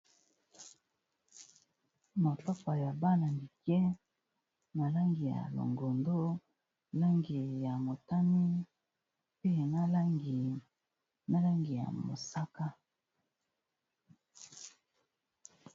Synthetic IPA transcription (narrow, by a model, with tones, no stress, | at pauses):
mo˨tɔ˦kɔ˨ja˨ba˦na˨ndi˨kjɛ˦ | na˨la˦ŋɡi˨ja̰˨lo̰˨ŋɡo˨ndo˦ | la˦ŋɡi˨ja˨mo˨ta˦mi˦ | pe˦˨na˦la˦ŋɡi˨ | na˦la˦ŋɡi˨ja̰˨mo̰˨sa˦ka˦